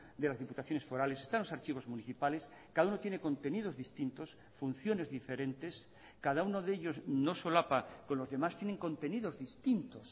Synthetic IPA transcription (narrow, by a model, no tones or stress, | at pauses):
d̪e̞lazðiput̪aθjo̞ne̞sfo̞ɾale̞sest̪anlosaɾt͡ʃiβ̞o̞zmuniθipale̞s | kaðaunot̪je̞neko̞nt̪e̞nið̞o̞zðist̪int̪o̞s | fun̟θjo̞ne̞zðife̞ɾẽ̞nt̪e̞s | kaðauno̞ðeʎo̞znosolapako̞nlo̞zðe̞mast̪jene̞ŋkõ̞nt̪e̞niðo̞zðist̪int̪os